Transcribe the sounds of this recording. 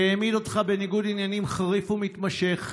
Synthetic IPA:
eːmido̞tχabeniɡudinjanimχaʁifumit̪maʃe̞χ

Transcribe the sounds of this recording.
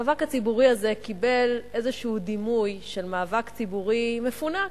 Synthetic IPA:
avakat͡sibuʁiaze̞kibe̞le̞zeʃuuːd̪imujʃe̞lmaːvakt͡sibuʁimefuna

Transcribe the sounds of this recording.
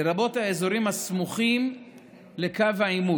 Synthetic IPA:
eɾabo̞thaezo̞ɾimhasmuχim | le̞kavaimu

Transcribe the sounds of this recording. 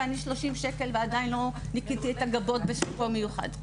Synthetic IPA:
aniʃlo̞ʃimʃe̞ke̞lvead̪ainlo̞nikid̪t̪ietaɡabo̞t̪beʃi̥vuamejuχa̰d

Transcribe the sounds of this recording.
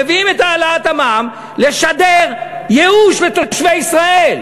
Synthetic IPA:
viimet̪aːlaat̪amam | le̞ʃad̪eʁjeuʃvet̪oʃvejisʁael

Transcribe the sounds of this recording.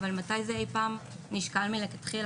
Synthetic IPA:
valmatajzeejpaːm | niʃkalmilekat̪χil

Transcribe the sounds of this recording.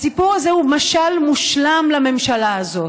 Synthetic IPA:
sipuʁazehumaʃalmuʃlamlame̞mʃalaːzo̞

